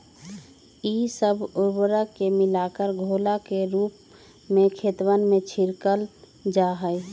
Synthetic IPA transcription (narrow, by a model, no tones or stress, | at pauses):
isəbʊɾwəɾəkemɪlakəɾɡʱoːlakeɾuːp | mẽkʰeːt̪wənmẽt͡ʃʰiɾkəl | d͡ʒaɦəj